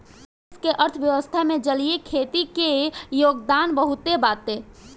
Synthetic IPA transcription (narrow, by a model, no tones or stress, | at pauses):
ɪskeʔəɾt̪ʰʋjəʋəst̪ʰamẽd͡ʒəliekʰeːt̪ikejoːɡd̪aːnbəɦut̪ebaːt̪ːe